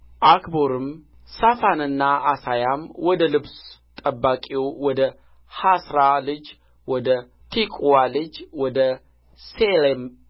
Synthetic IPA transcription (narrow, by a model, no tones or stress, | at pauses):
ʔakboɾɨm | safanɨnːaasajamwɔd̪əlɨbst̪ʼəbːakʼewwɔd̪ə | hasɾalɨd͡ʒ | wɔd̪ə | t̪ʰikʼwalɨd͡ʒwɔd̪ə | selem